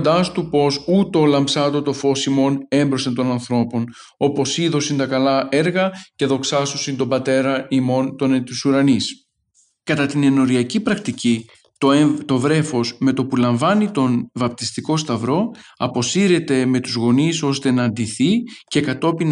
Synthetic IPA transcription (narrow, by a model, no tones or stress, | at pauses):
d̪ɐst̪upo̞sut̪o̞lɐmpsɐt̪o̞t̪o̞fo̞simo̞ne̞mbɾo̞sent̪o̞nɐnθɾo̞po̞n | o̞po̞siðo̞sint̪ɐkɐlɐe̞ɾɣɐce̞ðo̞ksɐsosint̪o̞bɐt̪e̞ɾɐimo̞nt̪o̞nt̪isuɾɐnis | kɐt̪ɐt̪ine̞no̞ɾiɐcipɾɐkt̪ici | t̪ot̪o̞vɾe̞fo̞sme̞t̪o̞pulɐɱvɐnit̪o̞nvɐp̚t̪ist̪iko̞st̪ɐvɾo̞ɐpo̞siɾe̞t̪e̞me̞t̪uzɣo̞niso̞st̪e̞nɐːnd̪iθice̞kɐt̪o̞pin